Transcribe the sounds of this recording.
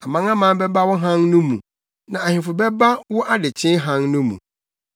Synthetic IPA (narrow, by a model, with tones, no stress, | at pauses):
a˨mã˦ŋã˦mã˨˦bɛ˦ba˦wʊ˦ɦã˦ŋnʊ̃˦mṵ̃˨ | nã˨a˨hɪ̃˨fʊ˨bɛ˦ba˦wʊ˦ʔa˦dɪ˨t͡ɕʰɪ̃˦ɦã˦ŋnʊ̃˦mṵ̃˨